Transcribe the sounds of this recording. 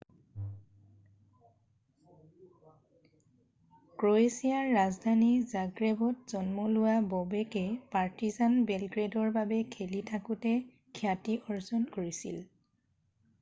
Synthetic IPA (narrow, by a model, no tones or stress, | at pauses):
kɹoesiaɹːazdʱanizaɡɹebɔtzɔnmɔlʊwabɔbɛkɛpaɹtizanbelɡɹedɔɹbabɛkʰelitʰakutɛ | kʰiatiʔɔɹzɔnkoɹisḭl